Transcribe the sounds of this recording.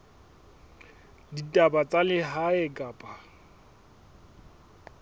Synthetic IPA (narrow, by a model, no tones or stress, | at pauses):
ditʼabat͡sʼalɪɦaɛkʼaːpʼa